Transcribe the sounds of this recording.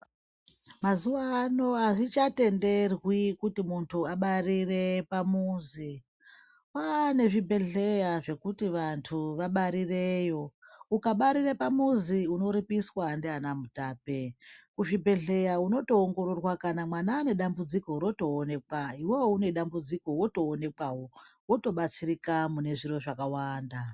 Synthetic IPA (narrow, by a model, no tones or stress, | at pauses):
mazuʋaːno̞aʐit͡ʃate̞nde̞rwikutimuntʰuaɓarire̞pamuzi | wane̞ʐibʱe̞ɮe̞jaʐe̞kutiʋantʰuʋaɓaɾire̞jo̞ukaɓaɾirepamuziuno̞ɾipiswaːndeanamutaːpekuʐibʱe̞ɮe̞jauno̞to̞ːŋɡo̞ɾo̞rwakanamwanaːne̞ɗambud͡ziko̞ɾo̞to̞ːne̞kwaiwowoune̞ɗambud͡ziko̞wo̞to̞ːne̞kawo̞wo̞to̞ɓat͡sirikamune̞ʐiro̞ʐakawaːnda